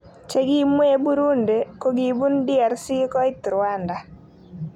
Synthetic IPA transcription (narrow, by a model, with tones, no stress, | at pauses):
t͡ʃe˦ɡi˦mwe˦bu˦ɾu˦nde˨ko˦ɡi˨bu˦ndɪ˦ɛ˨ɾsi˦kɔ˦ɪ˦t̪ɾwa˦nda˨